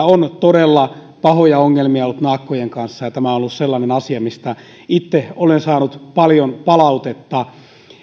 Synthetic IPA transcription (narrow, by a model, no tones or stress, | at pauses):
ont̪odelːɑ | pɑhojɑoŋːelmiɑolːut̪nɑːkːojeŋkɑnsːɑjɑt̪æmæonolːusselːɑnenɑsiɑmist̪æ | it̪ːeolensɑːnut̪pɑljonpɑlɑut̪et̪ːɑ